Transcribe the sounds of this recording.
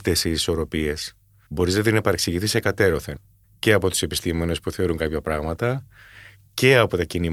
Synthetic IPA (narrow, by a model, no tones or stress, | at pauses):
t̪esiiso̞ɾo̞pie̞s | bo̞ɾiznɐt̪inepɐɾeksiʝiθisekɐt̪e̞ɾo̞θen | ce̞ɐpo̞t̪u̥se̞pi̥st̪imo̞nespuθe̞o̞ɾuŋkɐpçɐpɾɐɣmɐt̪ɐ | ce̞ɐpo̞t̪ɐcini